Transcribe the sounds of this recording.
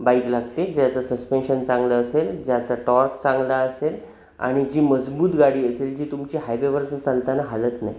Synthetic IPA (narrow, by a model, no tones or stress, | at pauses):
baiklaɡt̪ed͡ʑjat͡sasəspenɕənt͡sãŋɡləːseld͡ʑjat͡saʈɔɾkt͡sãŋɡlaəsel | a̰ɽ̃id͡ʑiːməd͡zbuːt̪ɡaɽiːəseld͡ʑiːt̪umt͡ɕiːɦajpeʋəɾt͡sunt͡salt̪anaɦalət̪na̰j